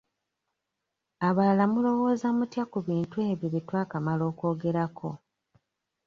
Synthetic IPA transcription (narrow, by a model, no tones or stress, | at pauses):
aβalamulo̞wo̞ːzamutjakuβiːntue̞ːβjiβitwaːkamalo̞ːko̞ːɡe̞ɾakʰo̞